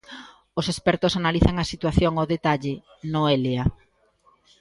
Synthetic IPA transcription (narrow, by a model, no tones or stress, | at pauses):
osespɛɾt̪osanaliθɐŋɐsit̪waθjoŋoðet̪aʎɪ | noelea